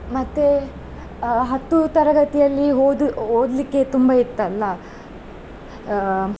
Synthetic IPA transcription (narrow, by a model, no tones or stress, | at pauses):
mɐt̪ːe | ɦɐt̪ːut̪ɐɾɐɡɐt̪ijɐlːiɦoːd̪ɦoːd̪likːe̞t̪umbɐiɾt̪ːɐlːɐ